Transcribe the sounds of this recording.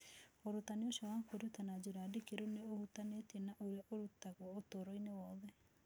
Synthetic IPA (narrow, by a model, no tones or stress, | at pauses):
oɾutaneoʃawakoɾutanad͡ʑeɾadekeɾoneohutanetenaʔoɾeʔoɾutaɣwɔotoɾoinewɔːðɛ